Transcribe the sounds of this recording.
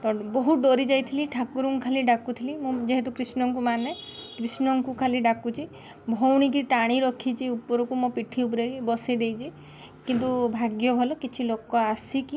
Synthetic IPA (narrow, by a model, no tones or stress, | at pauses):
t̪ɔbɔɦuɖoɾid͡ʒajt̪ʰiliʈʰakuɾuŋkʰaliɖakut̪ʰilimũd͡ʒeɦet̪ukɾisnɔŋkumanekɾisnɔŋkukʰaliɖakut͡ʃʰi | bʱowɽ̃ik̬ɾiʈaɽ̃iɾɔkʰit͡ʃʰiupɔɾɔkumõpiʈʰiupɔɾeibɔsid̪ejt͡ʃʰi | kint̪ubʱaɡjɔbʱɔlɔkit͡ʃʰilokɔasiki